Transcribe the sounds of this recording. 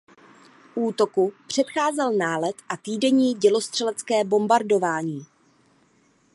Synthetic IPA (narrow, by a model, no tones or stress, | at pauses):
ʔuːt̪o̞kupr̝̥ɛt̪xaːzɛlnaːlɛt̪ʔat̪iːdɛɲiːɟɛlo̞st̪r̥ɛlɛt͡skɛːbo̞mbaɾdo̞vaːɲiː